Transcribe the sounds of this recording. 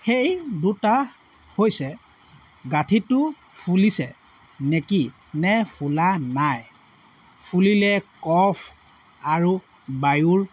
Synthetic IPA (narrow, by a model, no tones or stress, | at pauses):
xejduta | hojsɛ | ɡatʰitʊ | pʰulisɛ | neki | nɛpʰulanaj | pʰulilɛkɔpʰ | aɹu | bajuɹ